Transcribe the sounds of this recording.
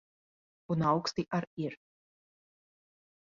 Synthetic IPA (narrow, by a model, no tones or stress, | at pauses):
unawkst̪iʔaɾiɾ